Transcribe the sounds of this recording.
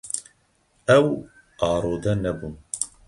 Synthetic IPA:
ɛw | ɑːɾoːd̪ɛnɛbun

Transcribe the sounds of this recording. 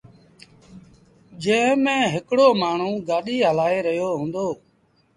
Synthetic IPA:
d͡ʒẽːmẽːɦɪkɽoːmaːɳ̤ũːɡaːɗiːɦəlaːeːɾəɦjoːɦũːnd̪oː

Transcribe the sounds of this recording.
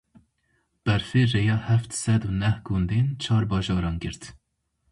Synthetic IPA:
b̥ɛɾfeːrejɑːhɛft̪sɛd̪uːnɛhɡ̥und̪ent͡ʃʰɑːɾbɑːʒɑːɾɑːnɡɨɾt̪

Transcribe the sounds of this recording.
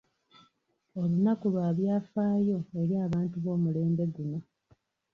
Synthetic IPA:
o̞lunakulwaːβjaːfaːjo̞e̞ɾiaːβaːntuβo̞ːmule̞ːmbe̞ɡuno̞

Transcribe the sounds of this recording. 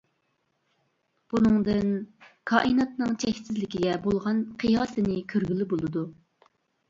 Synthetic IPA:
b̥unɨŋd̪ɨnkʰɑːʔɨnɑt̪nɨŋt͡ʃʰɛkʲsɪzlɪkʲiɡʲɛbolˠʁɑnqʰɨjɑːsɨnɪkʲʰøɾɡʲylɪbolˠɨd̪u

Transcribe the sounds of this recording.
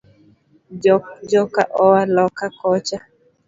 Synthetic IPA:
d͡ʒɔka̰ʔɔwalɔkakɔt͡ʃa

